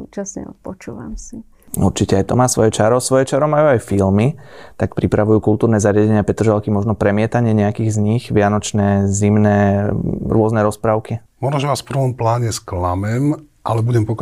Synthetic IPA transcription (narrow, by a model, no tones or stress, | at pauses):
uːt͡ʃasɲɛ̰ɔ̰pɔt͡ʃuːʋa̰msi | ṵɾt͡ʃicɛajt̪ɔmaːsʋɔjɛt͡ʃaɾɔsʋɔjɛt͡ʃaɾɔmajuajfilmit̪akpɾipɾaʋujuːkulˠt̪uːɾnɛzaɾɪaɟɛɲɪapɛt̪ɾ̩ʒalkimɔʒnɔpɾɛmɪɛt̪aɲɪɛɲɛakiːɣzɲiɣʋɪanɔt͡ʃnɛːzimnɛːɾʊɔznɛɾɔspɾaːʊkimɔʒnɔʒɛʋaːsfpr̩ʋɔmplaːɲɛsklamɛm | ʔalɛbuɟɛmpɔk